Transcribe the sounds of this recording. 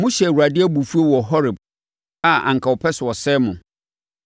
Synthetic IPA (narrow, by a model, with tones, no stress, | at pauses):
mʊ̃˦ɕɛ˨u˨a˨dɪ˦æ˦bu˨fu˦o˦wɔ˨ɦɔ˦ɾɪ˨b | a˦ã̰˨ŋ˨kʰa˨ɔ˨pʰɛ˦swɔ˨sɛ˦mʊ̃˨